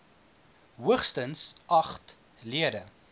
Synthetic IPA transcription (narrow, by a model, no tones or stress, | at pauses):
ɦuəχstənsɐχt | liədə